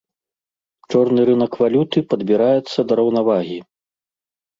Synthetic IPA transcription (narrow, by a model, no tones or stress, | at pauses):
t͡ʂɔrnɨɾɨnɐkvalʲut̪ɨpɐd̪bʲiɾajɛt̪sːɐd̪ɐɾɐwnavaɣʲi